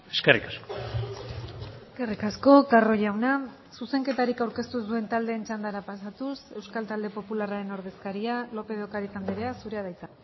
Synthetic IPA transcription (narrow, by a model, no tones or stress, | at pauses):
eskerikasko̥ | eske̞rikasko̞karo̞ʎawna | suse̞ŋke̞t̪aɾikawɾke̞st̪usd̪ue̞nt̪ald̪e̞ːnt͡ʃand̪aɾapasat̪use̞wskalt̪ald̪e̞po̞pularaɾe̞no̞ɾð̞e̞skaɾialo̞pe̞ðokaɾit̪and̪eɾe̞asuɾe̞aðajt͡sa